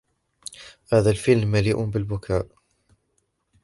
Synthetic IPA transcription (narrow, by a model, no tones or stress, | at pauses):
haːðalfɪlmːaliːʔʊbɪlbʊkʰaːʔ